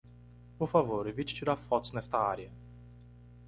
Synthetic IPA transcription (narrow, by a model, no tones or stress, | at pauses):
pʊfavoɾevit͡ʃt͡ʃiɾafɔt̪snɛst̪ɐaɾiɐ